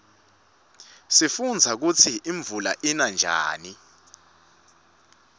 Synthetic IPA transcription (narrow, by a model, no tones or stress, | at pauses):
sifund͡zʱak̬ut͡sʰiʔiɱb̪vulaʔinand͡ʒʱa̰ːni